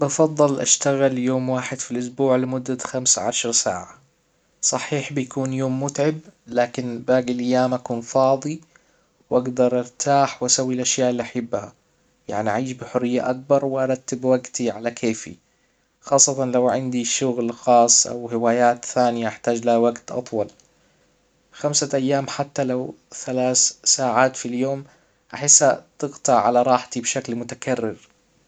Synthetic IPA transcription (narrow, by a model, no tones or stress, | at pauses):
bɑfɑðˤːɨlʔa̰ʃt̪aɣɪljoːmwaːħɪd̪filʔʊsbuːʕlɪmʊd̪ːat̪xamsʕa̰ʃɑɾˤsa̰ːʕa | sˤɑħiːħbɪjakuːnjoːmːʊt̪ʕɪblaːkɪnbaːɡɪlʔajːaːmʔakuːnfɑːðˤi | wʔaɡd̪ɑɾˤʔɪɾt̪ʰaːħwʔasawːilʔaʃjaːʔɪlːiʔaħabːha | ja̰ʕniʔaʕiːʃbɪħʊrːɪjːa̰ʔak̚bɑɾˤwɪʔɑɾˤɑt̪ːɪbwaɡt̪iʕalakʰeːfḭ | xɑːsˤːɑt̪ɑnlawʕɪnd̪iʃʊɣlxɑːsˤːʔa̰whɪwaːjaːt̪θaːnɪjaʔaħt̪aːd͡ʒlahawaɡt̪ʔɑ̰t̪ˤwɑl | xamsaʔajːaːmħat̪ːalawθalaːθsaːʕaːt̪filjoːm | ʔaħɪsːat̪ɪɣt̪ɑʕʕa̰laɾˤɑːħt̪ibʃaklmʊt̪akarːɪɾ